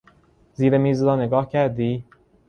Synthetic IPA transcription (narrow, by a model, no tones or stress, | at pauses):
ziːɾemiːzɾɒːne̞ɡɒːhcʰæɾd̪iː